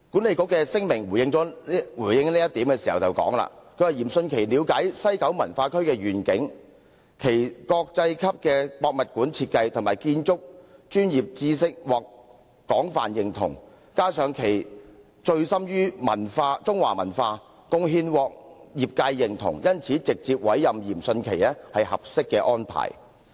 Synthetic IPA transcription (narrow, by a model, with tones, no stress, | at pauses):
kuː˨˥nle˨˧jkʊ˨˥kːɛː˧sɪ˥ŋmɪ˨˩ŋwuː˨˩jɪ˧ŋt͡sɔː˨˥wuː˨˩jɪ˨˧ŋliː˥jɐ˥t̪i˨˥mkɛː˧si˨˩hɐ˨˩wt͡sɐ˨˩wkɔ̰ː˨˥ŋla̰ː˧kʰɵ˨˧ɥhɐ˨jiː˨˩msɵ˧nkʰe˨˩jliː˨˧wkaː˨˥jsɐ˥jkɐ˨˥wmɐ˨˩nfaː˧kʰɵ˥ɥkɛː˧ɥyː˨˩nkɪ˨˥ŋ | kʰe˨˩jkɔː˧k̚t͡sɐ˧jkʰɐ˥p̚kɛː˧pɔː˧k̚mɐ˨t̚kuː˨˥nt͡sʰiː˧t̚kɐ˧jt̪ʰʊ˨˩ŋmaː˨˩jkiː˧nt͡sʊ˥k̚t͡ʃyː˥njiː˨p̚t͡siː˧sɪ˥k̚wɔː˨˩k̚ | kɔː˨˥ŋfa̰ː˨njɪ˨ŋt̪ʰʊ̰˨˩ŋ | kaː˥sœː˨˧ŋkʰe˨˩j | t͡ʃɵ˧ɥsɐ˥mjyː˥mɐ̰˨˩nfaː˧t͡sʊ˥ŋwaː˨˩mɐ̰˨˩nfaː˧ | kʊ˧ŋɦiː˧nwɔː˨k̚jiː˨p̚kaː˧jːɪ˨˩ŋt̪ʰʊ̰˨˩ŋjɐ˥nt͡sʰiː˨˥t͡sɪ˨k̚t͡siː˧p̚wɐ̰˨˥jjɐ˨mjiː˨˩msɵ˧nkʰe˨˩jɛː˥hɐ˨jhɐ̰˨p̚sɪ˥kːɛː˧ʔɔː˥npʰa̰ː˨˩j